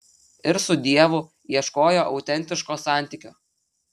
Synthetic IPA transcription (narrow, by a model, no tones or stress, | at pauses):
ɪɾsʊd̪ʲiɛʋʊ | iɛʃkoːjoːʔɒʊt̪ʲɛnʲt̪ʲɪʃkoːsɑˑnʲt̪ʲɪkʲʊ